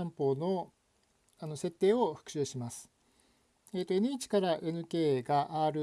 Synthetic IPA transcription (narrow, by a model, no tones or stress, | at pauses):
ãmpo̞ːno̞ | ano̞se̞t̪ːe̞ːo̞ɸɯ̥kɯ̟̥ɕɨːɕimasɨ̥ | e̞ːt̪ːo̞enɯ̟it͡ɕi̥kaɾaʔenɯ̟ke̞ːɡaʔaːɾɯ̟